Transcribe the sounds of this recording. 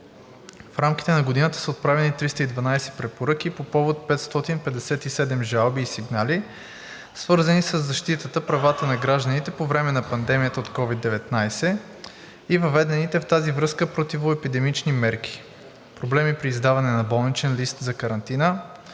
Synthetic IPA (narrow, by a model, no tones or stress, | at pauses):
fɾamkʲi̥t̪ɛnɐɡod̪inət̪ə̥səot̪̚pɾavɛnit̪ɾist̪əid̪vɐnajsɛ̥pɾɛpoɾɤk̟ipopɔvot̪̚pɛt̪st̪ɔt̪inpɛd̪ɛsɛt̪isɛd̪ɛmʒalˠbiːsiɡnali | svɤɾzənisəzːɐʃt̪it̪ət̪əpɾɐvat̪ənɐɡɾaʒd̪ənit̪ɛpovɾɛmɛnɐpɐnd̪ɛmijət̪əot̪kɔvid̪ːɛvɛt̪najsɛ | ivɐvɛd̪ɛnit̪ɛft̪azivɾɤskəpɾot̪ivoɛpid̪ɛmit͡ʃnimɛɾk̟ʲi̥ | pɾoblɛmipɾiːzd̪avɐnɛnɐbɔlˠnit͡ʃɛnlist̪zɐkɐɾɐnt̪inə